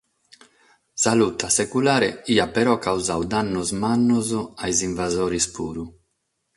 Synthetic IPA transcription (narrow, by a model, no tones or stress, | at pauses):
salut̪ːasekulaːɾeiːapɛɾɔkawzawd̪anːuzmanːuzɔajziɱvazoːɾispuːɾu